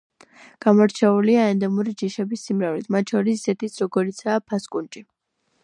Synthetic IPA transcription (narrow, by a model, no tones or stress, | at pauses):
ɡ̥amɔɾt͡ʃʰɛuliaɛnd̪ɛmuɾid͡ʒiʃɛbisːimɾavlit̪ʰmat̪ʃɔɾisisɛt̪ʰit̪sʰɾɔɡɔɾit̪sʰaːpʰaskʼunt͡ʃʼi